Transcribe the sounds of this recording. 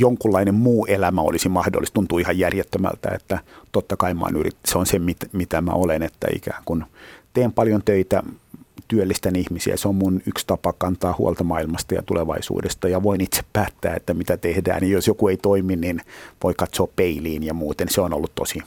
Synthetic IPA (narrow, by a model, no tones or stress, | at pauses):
joŋkulːɑinemmuːʔelæmæo̰lisimɑhdo̰lːist̪unt̪uːihɑjjærjet̪ːømæ̰lt̪æ̰ḛt̪ːæt̪ot̪ːɑkɑimɑ̰ːnyrḭt̪seonsemmit̪mit̪æmæ̰olenet̪ːæ̰ḭkæ̰ːŋkunt̪eːmpɑljont̪øit̪æt̪yølːist̪ænihmisiæ̰seommunykst̪ɑpɑkːɑnt̪ɑːhuolt̪ɑmɑilmɑst̪ɑjɑ̰t̪uleʋɑ̰isṵːdest̪ɑjɑʋoinit̪se̥ppæːt̪ːæ̰ːet̪ːæmit̪æt̪ehdæ̰ːnijjosjokueit̪oiminninʋoikɑt̪soːppeiliːnjɑmuːt̪enseono̰lːut̪tosi